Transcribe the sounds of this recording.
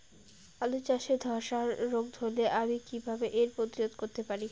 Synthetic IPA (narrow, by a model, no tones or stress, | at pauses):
alut͡ɕaʃed̪ʱɔʃaɾːoɡ̚d̪ʱoleʔamikibʱabeʔeɾpɾot̪iɾod̪koɾt̪epaɾi